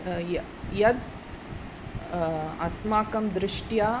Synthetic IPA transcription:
j | jɐd̪ | ɐsmaːkɐmd̪ɾɪʂʈjaː

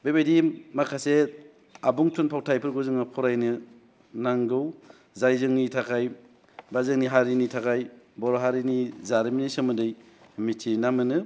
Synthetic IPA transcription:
bebajdimakʰase | abuŋtʰunpʰaw̚tʰajpʰɯɾɡuzɯŋapʰɔɾajnɯ | naŋɡɯw | zajzɯŋnitʰakʰaj | bazɯŋniɦaɾinitʰakʰaj | bɔɾɔɦaɾinizaɾiminisɯmɯndɯj | mitʰinamɯnɯ

